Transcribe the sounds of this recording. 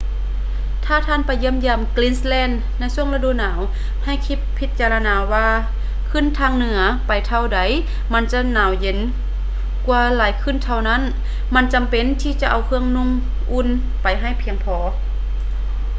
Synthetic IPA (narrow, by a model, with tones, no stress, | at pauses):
t̪ʰaː˧˩t̪ʰaː˧˥˨npa˨jːɯ˧ə˨mjaː˧˩˨mkliː˧˨nslɛː˧˥˨nːa˧˩˨jsu˧˩əŋla˧duː˧˨naː˨˦w | ha˧˩˨jkʰi˧˥pʰːi˧t̪̚t͡ɕaː˧la˧naː˨˦waː˧ | kʰɯ˧˥˨nt̪ʰaː˧˨ŋnɯ˨˩˦ɐpa˨˩jt̪ʰa˧˩wda˨˦j | ma˧˥˨nt͡ɕa˧˥naː˨˦wje˨˦n | kwu˧laː˨˦jkʰɯ˧˥˨nt̪ʰa˧˩wna˧˥˨n | ma˧˥˨nt͡ɕa˨mpe˧˨nt̪ʰiː˧˨t͡ɕa˧ʔa˨˩wkʰɯ˧əŋnu˧˥˨ŋ | ʔu˧˥˨n | pa˨jɦa˧˩jpʰi˧əŋpʰɔː˨˦